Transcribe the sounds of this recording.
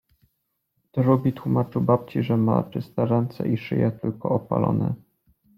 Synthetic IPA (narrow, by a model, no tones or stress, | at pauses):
t̪ɔɾubʲit̪wumat͡ʂɘwbap̚t͡ɕiʐɛma̰t͡ʂɘst̪ɛɾɛnt̪sɛ̰ʔiʂɘjɛt̪ɘlkɔɔpalɔ̰nɛ̰